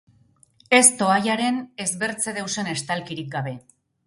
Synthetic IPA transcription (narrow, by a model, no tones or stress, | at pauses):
e̞st̪o̞ajaɾe̞ne̞zβe̞ɾt͡se̞ðewse̞ne̞st̪alkiɾik̚ɡaβ̞e̞